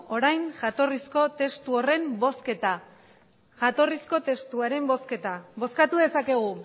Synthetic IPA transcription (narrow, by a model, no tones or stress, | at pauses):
o̞ɾajnʝat̪o̞risko̞t̪e̞st̪uore̞mbo̞ske̞t̪a | ʝat̪o̞risko̞t̪e̞st̪uaɾe̞mbo̞ske̞t̪aβo̞skat̪uðe̞sake̞ɣ̞u